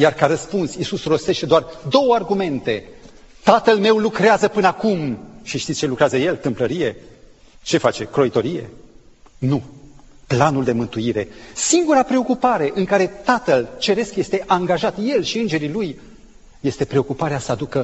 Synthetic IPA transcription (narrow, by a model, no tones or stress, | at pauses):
jarkaɾəspunsisusro̞st̪e̞ʃt̪e̞d̪oard̪o̞wəarɡume̞nt̪e̞t̪at̪əlme̞wlukɾeazəpɨnəakumʃiʃt̪it̪sʲt͡ʃelukɾeazəje̞lt̪ɨmpləɾije̞ | t͡ʃe̞fat͡ʃekɾo̞it̪o̞ɾije̞̰ | nuplanuld̪e̞mɨnt̪uiɾe̞siŋɡuɾapɾe̞o̞kupaɾe̞ʔɨŋkaɾe̞t̪at̪əlt͡ʃe̞ɾe̞skje̞st̪e̞ʔaŋɡaʒat̪je̞lʃiɨnd͡ʒe̞ɾiluj | je̞st̪e̞pɾe̞o̞kupaɾeasəad̪ukə